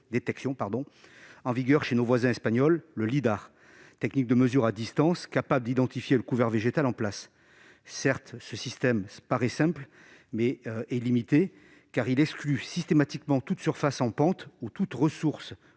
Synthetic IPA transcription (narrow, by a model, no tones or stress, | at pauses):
d̪et̪ɛksjɔ̃paʁd̪ɔ̃ɑ̃viɡœʁʃenovwazɛ̃ɛspaɲɔlːəlid̪aʁ | t̪ɛknik̚d̪əməzyʁad̪ist̪ɑ̃skapabləd̪id̪ɑ̃t̪ifjeləkuvɛʁveʒet̪alɑ̃plasː | ɛʁt̪səsist̪ɛmpaʁɛsɛ̃pl | mɛɛlimit̪e | kaʁilɛksklysist̪emat̪ikmɑ̃t̪ut̪syʁfasɑ̃pɑ̃t̪ut̪ut̪ʁəsuʁs